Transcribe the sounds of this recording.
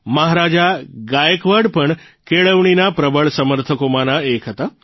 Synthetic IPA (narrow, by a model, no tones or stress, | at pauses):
məɦaɾad͡ʒaɡajəkʋəɖpəɳ | keɭəʋɳinapɾəbəɭsəməɾt̪ʰəkomãnãekʰɦət̪a